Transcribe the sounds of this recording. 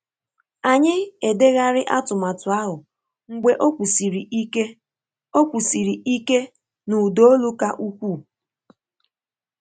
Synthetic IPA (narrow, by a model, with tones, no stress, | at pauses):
a˨ɲɪ˦e˨de˦ɣa˦ɾɪ˦ʔa˦tʊ˨ma˨tʊ˨a˦ɦʊ˨ | ŋ̩˦ɡ͡be˦ʔo˦kʷu˨si˨ɾi˨˦e˦ | o˦kʷu˨si˨ɾi˨ʔi˦ke˦ | nu˨do˦o˦lu˦ka˦ʔu˦kʷu˦˨